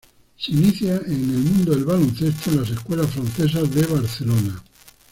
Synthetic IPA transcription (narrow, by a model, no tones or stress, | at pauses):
seiniθjaenelmũnd̪oðelβalõnθest̪oenlaseskwe̞lasfɾanθe̞s̬azðeβaɾθelona